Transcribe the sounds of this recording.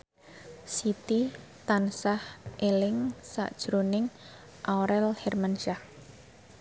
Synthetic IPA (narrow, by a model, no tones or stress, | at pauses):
sit̪i | t̪ansahʔelɪŋsa̰ʔd̥ʒ̥ɾonɪŋ | ʔaoɾɛlhɛrmanʃah